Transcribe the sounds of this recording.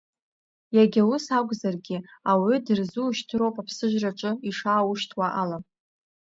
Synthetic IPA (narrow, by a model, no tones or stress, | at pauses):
jaɡʲawʊsaɡʷʼzarɡʲɪawidɨrzuʃtʰɨɾo̞wpʼapʰsɨʒʷᶣraʈ͡ʂʷʼɨiʂaːwʊʃtʰwaʔala